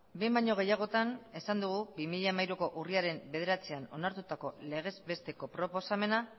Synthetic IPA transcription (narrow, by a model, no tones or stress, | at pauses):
bembaɲo̞ɣ̞e̞jaɣ̞o̞t̪ane̞sand̪uɣ̞ubimiʎamajɾuko̞ʔuriaɾe̞mbe̞ð̞e̞ɾat͡seano̞̰naɾt̪ut̪ako̞le̞ɣ̞e̞zbe̞st̪e̞ko̞pɾo̞po̞same̞na